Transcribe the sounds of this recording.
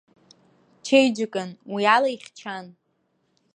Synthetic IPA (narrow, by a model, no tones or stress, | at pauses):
t͡ʃʰejd͡ʒakʼanwialaiχʲt͡ʃʰan